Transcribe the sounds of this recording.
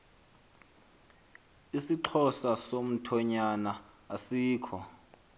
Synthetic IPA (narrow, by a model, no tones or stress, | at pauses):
isiǃʰɔsasom̩tʰɔɲanaː | siːkʰɔ